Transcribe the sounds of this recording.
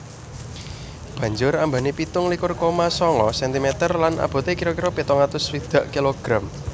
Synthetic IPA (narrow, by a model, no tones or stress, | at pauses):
b̥ä̤ɲd͡ʒʊɾamba̤nipit̪ʊŋlikʊrkomasɔŋɔsɛnt̪imɛt̪ərlanʔa̰b̥o̤t̪ekiɾokiɾopit̪ɔŋat̪ʊswid̪̥ä̤ʔkiloɡ̥ɾam